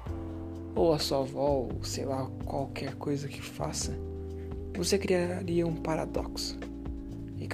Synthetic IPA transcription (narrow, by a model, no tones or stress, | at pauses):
owɐsuɐvɔo̰sejlakwawkʰɛɾkojzɐkɪ̥fa̰sɐ | vosekɾiaɾiɐũpaɾa̰d̪ɔ̰ksʊ̥ | ɪk